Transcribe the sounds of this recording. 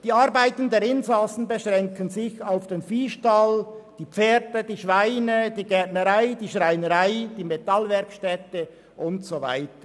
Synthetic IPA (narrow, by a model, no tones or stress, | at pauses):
d̥iːɑɾbaɪtən̩deːɾɪnzasn̩bəʃʁɛŋkʰənzɪçaʊfd̥enfiːʃtald̥iːpp͡feːɾdəd̥iːʃvaɪnəd̥iːɡɛɐtnəʁaɪdiːʃʁaɪnəʁaɪd̥iːmetɑlvɛɾkʃtɛtə | ʔʊntsova̰ɪtə